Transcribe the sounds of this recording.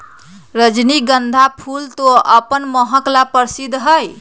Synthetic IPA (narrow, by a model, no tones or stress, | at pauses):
ɾəd͡ʒniɡənd̪ʱapʰult̪oəpənməɦəklapəɾsid̪ʱːɦəj